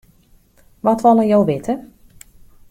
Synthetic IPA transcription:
ʋɔtʋɔlˠəjowʋɪtʰə

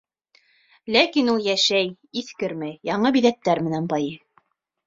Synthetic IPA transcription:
lækinulˠjæʃæj | iθkɘɾmɘjɑɴɤbiðæt̪ːæɾmɘ̆nænbɑjɤ

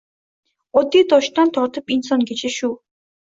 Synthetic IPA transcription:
ɔt̪ːiːt̪ɔʃt̪ɔnt̪ʰɔɾt̪ə̆pinsɔnɡet͡ɕĕʃuː

